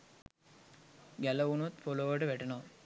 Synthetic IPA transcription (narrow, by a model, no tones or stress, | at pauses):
ɡæləunut̪foloːʋəʈəʋæʈɐnoː